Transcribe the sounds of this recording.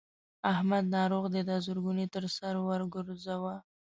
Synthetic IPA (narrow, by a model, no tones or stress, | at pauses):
ahmad̪nɑɾoɣd̪əd̪ɑzuɾɡunet̪əɾsaɾwaɾɡʊɾzawa